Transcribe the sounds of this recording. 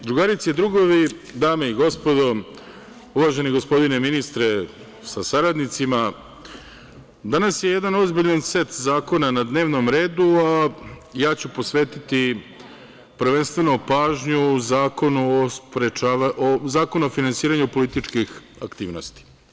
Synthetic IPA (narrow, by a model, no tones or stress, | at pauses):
d̪ɾuɡaɾit̪sied̪ɾuɡoʋid̪aːmeiɡo̞spo̞d̪o̞ | uʋaʒe̞niɡo̞spo̞d̪ineminist̪ɾe | sasaɾad̪nit̪sima | d̪anasjejed̪ano̞zbiʎanse̞t̪zaːko̞nanad̪ne̞ːʋno̞mɾe̞ːd̪uajaːt͡ɕupo̞sʋeːt̪it̪i | pɾ̩ʋenst̪ʋe̞nopaːʒɲuzaːkonuospɾet͡ʃaːʋaʔozaːkonuofinansiːɾaɲupo̞lit̪it͡ʃkix | a̰kt̪ḭːʋno̞̰st̪i̥